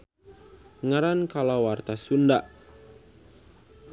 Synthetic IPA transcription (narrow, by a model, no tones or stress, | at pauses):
ŋaɾankalawart̪asundaʔ